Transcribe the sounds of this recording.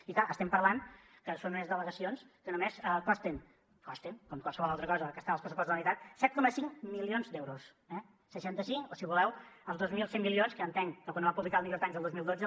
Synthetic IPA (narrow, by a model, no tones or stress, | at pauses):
iklaʔəst̪ɛmpəɾlan | kəsonumezðələɣəsionskənumesəkɔst̪in | kɔst̪iŋkomkwalˠsəβɔlˠalˠt̪ɾəkɔzəkəst̪anəlˠpɾəsupɔstzðəlmit̪at̪̚sɛt̪̚kɔməsiŋmilionzd̪ɛwɾus | ɛ | səʃant̪əsiŋosiβulɛwəlˠzd̪ozmilˠsembilionskəːnt̪ɛŋkəkwanoβapuβlikalˠmikɾot̪aɲzəlˠd̪ozmilˠd̪od͡zə